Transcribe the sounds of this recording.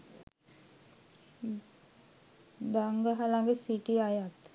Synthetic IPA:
d̪aŋɡəɦalaŋɡesiʈiajat̪

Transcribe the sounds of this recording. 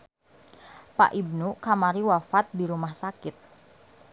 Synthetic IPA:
pa̰ʔib̚nukamaɾiwafat̪̚diɾumahsakɪt̪̚

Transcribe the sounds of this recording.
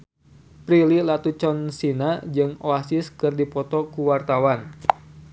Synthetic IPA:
pɾililat̪ut͡ʃɔnsinad͡ʒɨŋoasɪskɨrdipɔt̪ɔkuwart̪awan

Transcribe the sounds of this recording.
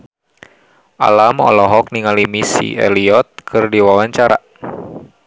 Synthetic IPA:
ʔa̰lamɔ̰lɔɦɔk̚niŋalimisḭʔɛ̰liɔt̪̚kʰɨrdiwawaɲt͡ʃaɾa̰

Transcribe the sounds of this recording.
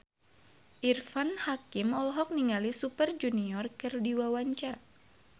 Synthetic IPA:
ʔirfanhakimɔlɦɔk̚niŋalisupərd͡ʒuniɔrkɨrdiwawaɲt͡ʃar

